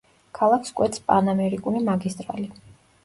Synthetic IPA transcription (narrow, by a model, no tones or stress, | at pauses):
kʰalˠakʰskʼwɛt̪spʼanamɛɾikʼulimaɡist̪ʼɾa̰li